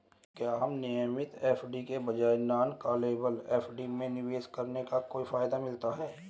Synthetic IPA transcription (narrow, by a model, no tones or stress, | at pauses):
kjaːɦɐmnɪjəmɪt̪eːfʰɖikebɐd͡ʒaːenaːnkaːleːbəleːpʰɖimẽnɪʋeːskəɾnekakoːifʰaːjd̪amɪlt̪aɦɛː